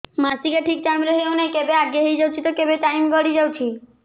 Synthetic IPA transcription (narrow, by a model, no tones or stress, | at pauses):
masikaʈʰikʈajmɾeɦewnekebeaɡeɦejd͡ʒawt͡ʃʰit̪okebeʈajmɡɔɽid͡ʒawt͡ʃʰi